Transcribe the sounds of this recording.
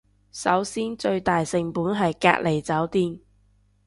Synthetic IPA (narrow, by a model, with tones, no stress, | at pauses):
sɐ˨˥wsiː˥nt͡ʃɵ˧ɥt̪aː˨jsɪ˨ŋpuː˨˥nɦɐ˨jka̰ː˧k̚lʔe˨˩jt͡sɐ˨˥wt̪iː˧n